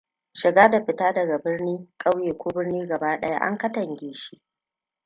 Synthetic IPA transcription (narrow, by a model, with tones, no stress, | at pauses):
ʃɪ˨ɡaː˦da˨ɸɪ˨taː˦dɐ˨ɡa˨bɪ˦rniː˦kʼa˦wjeː˨kʷoː˦bɪ˦rniː˦ɡɐ˨baː˦ɗɐ˦ja̰˦ʔa̰˦ŋkɐ˦tɐ˨ŋɡʲeː˨˦ʃi˦ʔ